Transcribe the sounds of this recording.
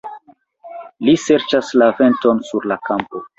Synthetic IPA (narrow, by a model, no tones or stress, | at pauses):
lise̞ɾt͡ʃaslave̞nto̞nsuɾlakampo